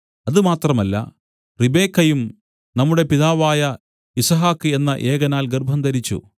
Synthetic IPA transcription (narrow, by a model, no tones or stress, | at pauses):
ɐðɨmaːt̪rɐmɐlːɐ̰ | ribe̞ːkːɐjum | nɐmːuɽe̞piðaːʋaːjɐ | isɐɦaːkːɨe̞nːɐʔeːɣɐnaːlɡerbʱɐnd̪ɐɾit͡ɕːṵ